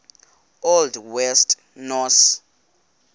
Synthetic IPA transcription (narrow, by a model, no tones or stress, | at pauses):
oldwɛstʰʼ | nɔs